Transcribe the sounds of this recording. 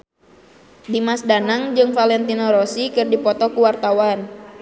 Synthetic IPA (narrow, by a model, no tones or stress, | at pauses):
dimasdanaŋd͡ʒɨŋfalɛnt̪inɔɾɔsikɨrdipɔt̪ɔkuwart̪awan